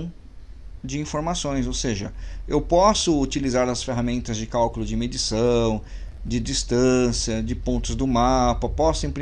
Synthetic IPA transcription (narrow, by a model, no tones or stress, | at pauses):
d͡ʒɪĩfoɾmasõj̃sowseʒɐewpɔsʊːt͡ʃilizaɾd̪ɐsfeɦamẽnt̪ɐzd͡ʒɪkawkʊlʊd͡ʒɪmed͡ʒisɐ̃w̃ | d͡ʒɪd͡ʒist̪ɐ̃siɐd͡ʒɪpõnt̪ʊzd̪ʊmapɐpɔsʊĩpɾ